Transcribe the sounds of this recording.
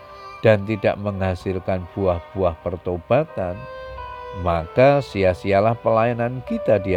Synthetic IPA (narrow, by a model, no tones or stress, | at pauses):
d̥ant̪ida̰ʔməŋhasɪlkanb̥uahb̥uahpərt̪ob̥at̪an | makasiahsialahpəlajanankit̪adi